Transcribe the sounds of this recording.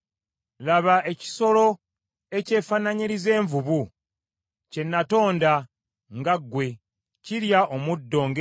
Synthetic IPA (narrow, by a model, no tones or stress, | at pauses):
laβaʔe̞ci̥so̞lo̞ | e̞ce̞ːfanaɲiɾize̞ːɱvuβu | ce̞nːato̞ːnda | ŋɡaɡːwe̞ | ciɾjaʔomudːo̞ːŋɡe